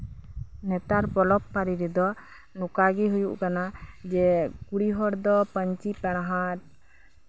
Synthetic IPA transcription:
nɛt̪aɾbɔlɔpːaɾiɾɛd̪ɔ | nukaɡiɦujuʔkanad͡ʒɛkuɽiɦɔɽd̪ɔpəɲt͡ʃipɛɽ̃ɦaɾ̚

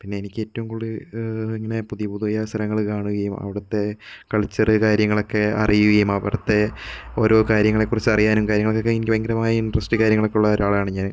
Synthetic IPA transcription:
pinːe̞ːnikʲːe̞ːtːɐʋumkuɭːiiŋːɐne̞puðijɐpuðuɐjɐsɐɾɐŋːɐɭkaːɳuɣɐjumɐ̰ʋiɽɐt̪ːe̞kɐɭit͡ɕːɐrɨkaːɾjɐŋːɐɭo̞kːe̞ɐ̰rijuɣɐjumɐʋḭɽɐt̪ːe̞o̞ːɾo̞ːkaːɾjɐŋːɐɭe̞kːurit͡ɕːɐrijaːnumkaːɾjɐŋɐɭokːokːenkʲːʋɐŋɡɐɾɐmaːjɐinɖrɐsʈikaːɾjɐŋːɐɭokːeuɭːɐoːɾaːɭaːɳɨɲaːn

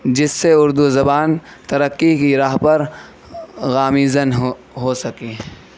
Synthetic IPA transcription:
d͡ʒɪsːeʊɾd̪uzɐbaːnt̪ɐɾəkːikiɾaːɦpɐɾ | ɣaːmiːzənɦ | ɦoːsɐkeː

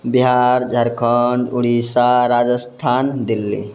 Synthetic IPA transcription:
biɦaːɾd͡ʒʱɐɾkʰəɳɖuɽisaɾaːd͡ʒəst̪ʰaːnd̪ilːḭ

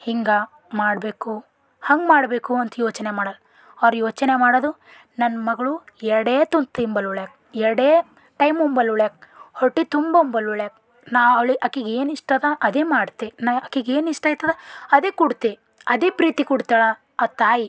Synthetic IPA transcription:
hiŋɡa | maːɽbeːku | hɐŋɡmaːɽbe̞ːkuɐnt̪ɐjoːt͡ʃnemaːɽɐl | ɐʋɾjoːt͡ʃɐnemaːɽod̪u | nɐnːmɐɡɐɭuɛɾɐɽeːt̪unt̪ɐimbɐluɭeːk̚ | ɛɾɽeː | ʈɐjmumbɐluɭek̚hoʈːit̪umbɐumbɐluɭeːk̚ | naːʋɐʋɭiʔɐkiɡeːniʂʈɐd̪ɐʔɐd̪eːmaːɽt̪enaɐkːiɡeːniʂʈait̪ːɐd̪eɐd̪eːkuɽt̪e | ɐd̪eːpɾiːt̪ikuɽt̪aːɭɐ | at̪aːji

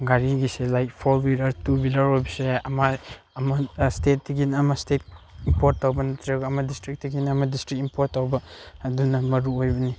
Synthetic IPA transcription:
ɡaɾiɡiselajk̚pʰoɾbilɐɾtubilɐɾojbɐseɐma | ɐmɐstet̚ːiɡinɐmastet̚impoɾtːawbɐnɐt̪ʰɾaɡɐmadistɾik̚tiɡinɐmadistɾik̚impʰotːawbɐːdunɐmɐɾuojbɐni

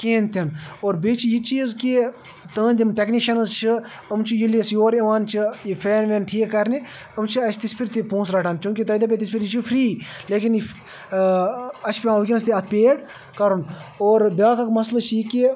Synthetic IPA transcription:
kẽːnt̪ʲʰɐnoːɾbet͡ʃʰijit͡ʃiːzki | t̪ə̃ːnd̪imʈɛkniʃɐnzt͡ʃʰi | ɐmt͡ʃʰijiliɐsjoːɾɐʋaːnt͡ʃʰijifʰeːnʋʲenʈʰiːkkːɐɾni | ɐmt͡ʃʰiɐst̪ispʰiɾt̪ipõːsɾɐʈʰaːnt͡ʃʲjũːkʲit̪ɐːd̪ɐp̬ʲet̪ispʰiɾjit͡ʃʰufɾiːleːkini | ɐt͡ʃʰpiãʋkʲinst̪iɐt̪̚peːɽ | kɐɾunoːɾbʲaːkɐkmɐslɐt͡ʃʰjiki

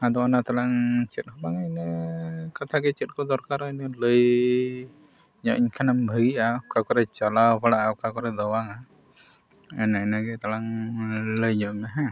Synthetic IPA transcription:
ad̪ɔanat̪alaŋt͡ʃɛt̪̚ˀhɔbaŋanəkat̪ʰaɡɛt͡ʃɛt̪̚kɔd̪ɔɾkaɾɔinɔləj | ɲɔʔiɲkʰanambʱəɡiʔaukakɔɾɛt͡ʃalawpʰaɽaʔaukakɔɾɛd̪ɔwaŋa | ɛnaɛnaɡɛt̪alaŋləjɲɔʔŋaɦã

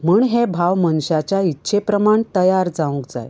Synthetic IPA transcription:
muːɳɦebʱaʋmənɕat͡ɕjaitːɕʰepɾəmaɳt̪əjaɾd͡zaũkd͡za̰j

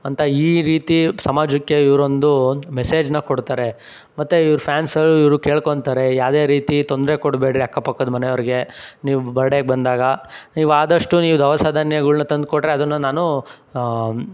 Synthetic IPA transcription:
ɐnt̪ʰɐiːɾiːt̪isɐmaːd͡ʒukːjeiʋɐɾo̞nd̪umese̞ːd͡ʒnɐkoɽt̪aːɾe̞ | mɐt̪ːeiʋɾupʰjaːnsɐlːuiʋɾuke̞ːɭkoɳt̪aːɾe̞jaːʋd̪eːɾiːt̪it̪o̞nd̪ɾe̞koɽbeːɖɾiɐkːɐpɐkːod̪mɐnejɐʋɐɾiɡe̞niːʋubɐɾɖeɡ̚bɐnd̪aːɡɐniːʋuaːd̪ɐʂʈuniːʋud̪ɐʋɐsaːd̪ʱɐnjɐɡɐɭunɐt̪ɐnd̪̚koʈɾeɐd̪ɐnːɐnaːnu

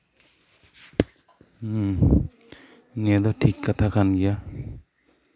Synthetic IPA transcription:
ŋɛd̪ɔʈʰikːat̪ʰakʰanɡija

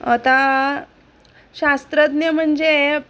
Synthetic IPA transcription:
ət̪a | ɕast̪ɾəd̪nəm̤əɳd͡ʑe

